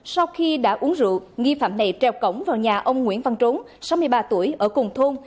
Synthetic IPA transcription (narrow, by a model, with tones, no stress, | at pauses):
sa˧wxi˧ɗa̰ː˧˥ʔu˨˦əŋzɨ̰˧˨ŋi˧faː˧˩mna˨˩jt͡ɕɛ˧˩wkə˧˩wŋ͡mvaː˨˩wɲaː˨˩ʔə˧wŋ͡mŋwḭ˧˥ənva˨˩ŋt͡ɕo˨˦n | sa˨˦wmɨ˧əjɓaː˧t̪u˧˩əjʔəː˧˩kʊ˨˩ŋ͡mt̪ʰo˧n